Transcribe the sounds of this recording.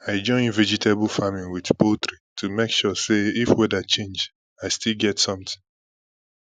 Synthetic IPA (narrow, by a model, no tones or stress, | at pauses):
aɪd͡ʒɔ̃ɪ̃nvɛd͡ʒitʰeblˠfamĩnwidpotɹitʰumekʃɔseifwɛdat͡ʃẽnd͡ʒ | aɪstilˠɡɛtsʌ̃mtɪ̥̃ŋ